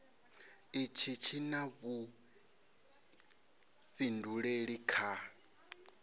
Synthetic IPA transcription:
it͡ʃʰit͡ʃʰinaβu | ɸinduɺeɺikʰa

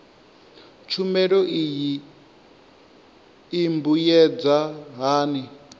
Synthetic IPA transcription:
t͡ʃʰumɛɺɔʔiji | mbujɛd͡zaɦaːni

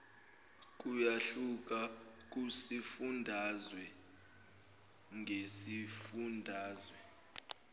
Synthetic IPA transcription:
k̬ʼujaɬuk̬ʼak̬usifundʱazwɛ | ŋʱesifundʱaːzwɛ

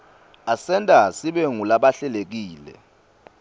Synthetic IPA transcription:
asɛntʼasiɓɛŋulaɓaɬɛlek̬iːlɛ̰

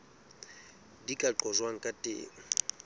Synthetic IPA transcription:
dikʼaǃɔzwaŋ̩kʼatʼɪ̰

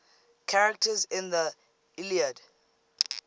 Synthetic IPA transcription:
kʰaɹək̚təzɪ̃nðə | iliəd

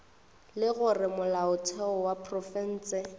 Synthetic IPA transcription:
lɪɣʊrɪmʊlaʊtʰɛɔwapʰʼrɔfɛn̩ːsɪ

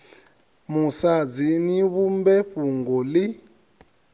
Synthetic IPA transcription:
musad͡ziniβumbɛɸuŋɡɔli

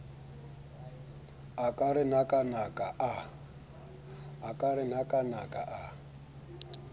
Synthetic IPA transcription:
akʼaɾɪn̤akʼanakʼaʔa | akʼarɪn̤akʼanakʼa̰ʔa

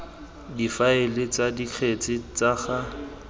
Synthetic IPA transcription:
difaɪlɪt͡sadiq͡χʰet͡sʼɪt͡saχa

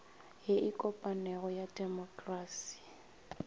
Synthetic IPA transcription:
ɦɪʔikʼɔpʼanɛɣɔjadɛmɔkʼraːsi̥

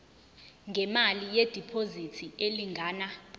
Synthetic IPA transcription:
ŋɡʱɛmalijed̥ʱipʰozitʰieliŋɡʱaːna

